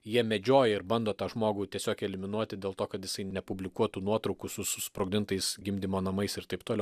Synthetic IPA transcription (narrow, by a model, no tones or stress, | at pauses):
jiɛmʲɛd͡ʒʲoːjɛɪɾbɐnd̪oːt̪ɑːʒmoːɡuːt̪ʲiɛsʲoːkɛlʲɪmʲɪnuɔt̪ʲɪd̪ʲeːlˠt̪oːkɐt̪jɪsɐɪnʲɛpʊbʲlʲɪkuɔt̪uːnuɔt̪ɾɔʊkusʊsʊspɾoɡʲd̪ʲɪnt̪ɐɪsɡʲɪmʲd̪ʲimoːnɐmɐɪsɪɾt̪ɐɪpt̪oːlʲɛʊʊ